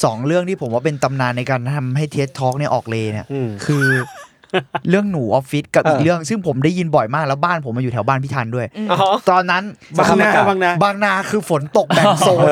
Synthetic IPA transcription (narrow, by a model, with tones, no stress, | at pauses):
sɔː˩˦ŋɾɯ˥˩əŋt̪ʰiː˥pʰo˩˦mwaː˥˩pe˧nt̪a˧mnaː˧nːa˧jkaː˧nt̪ʰa˧mɦa˥˩jt̪ʰeː˦˥t̚t̪ʰːɔː˦˥k̚ni˥˩ɐʔɔː˨˩k̚leː˧ni˦˥˩ɐkʰɯː˧ | ɾɯ˥˩əŋnuː˩˦ʔɔː˨˧˥p̚fi˦˥t̪̚ka˨˩pʔiː˨˩k̚ɾɯ˥˩əŋsɯ˥˩ŋpʰo˩˦mdaː˥˩ji˧nbɔ˨˩jmaː˥˩k̚lɛ˦˥wbaː˥˩npʰo˩˦maː˧juː˨˩t̪ʰːwbaː˥˩npʰiː˥˩t̪ʰaː˧ndu˥˩əjt̪ɔː˧nːa˦˥nːaː˧a˧˥a˧ŋna˦˥baː˧ŋnaː˧˩kʰɯː˧fo˨˩˦nt̪o˨˩k̚bɛ˨˩so˨˩